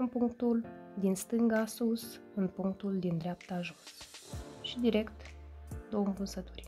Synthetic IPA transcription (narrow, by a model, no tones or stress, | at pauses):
ɨnpuŋkt̪uld̪inst̪ɨŋɡasusɨnpuŋk̚t̪uld̪ind̪ɾeap̚t̪aʒusʃid̪iɾe̞kt̪d̪owəmpɨnsət̪urʲ